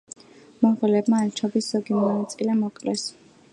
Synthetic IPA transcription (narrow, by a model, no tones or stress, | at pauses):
mɔʁɛlɛbmaɛt͡ʃʰɔbisz̥ɔɡimanat̪sʼilɛmɔkʼlɛs